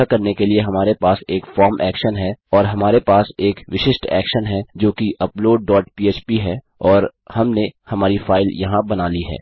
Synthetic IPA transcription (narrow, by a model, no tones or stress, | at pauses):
akɐɾnekelieɦɐmaːɾepaːseːkfɔːɾmʔɛ̰ːkʃənɦɛɔːɾɦɐmaːɾepaːseːkʋɪʃɪʃʈɛ̰ːkʃənɦɛd͡ʒoːkiʔɐploːɖ̚ːɔːʈpiːeːt͡ʃpiɦɛː | ɔːɾhɐmnehɐmaːɾifʰaːɪljɐɦãbɐnaːliɦɛ̰ː